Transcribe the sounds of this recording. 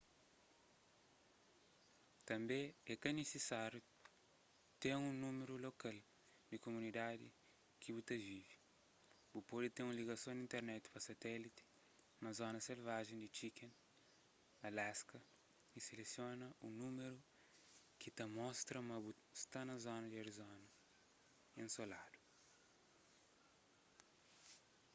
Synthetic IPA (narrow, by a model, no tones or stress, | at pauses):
t̪ɐ̃mbẽɛkɐnesesaɾju | t̪ẽŋũnũmeɾulokal | d̪ikomunid̪ad̪ḭ | kibut̪ɐvivi̥ | b̥upod̪it̪ẽũliɡɐsõd̪ĩnt̪eɾnɛt̪i̥pɐsɐt̪ɛlit̪i̥ | nɐzɔnɐselvaʒẽnd̪it͡ʃikẽn | ɐlaskɐ | iselesjonɐunumeɾu | kit̪ɐmɔst̪ɾɐmɐbu | st̪anɐzonɐd̪ioɾizonɐ | ẽnsolad̪u̥